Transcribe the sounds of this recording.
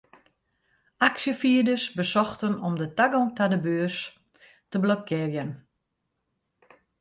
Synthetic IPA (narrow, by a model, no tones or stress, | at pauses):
aksjəfiədəsbəsɔxtənɔmdətaɡɔŋtadəbøːərs | təblokʰɪərjən